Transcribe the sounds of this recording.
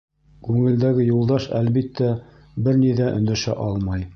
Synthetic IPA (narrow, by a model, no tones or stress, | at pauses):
kʉŋɘ̆ld̪æɡɘjulˠd̪ɑʃælβit̪ːæ | bɘɾniðæʔɵ̰̆nd̪æʃæ̰ʔɑlˠmɑj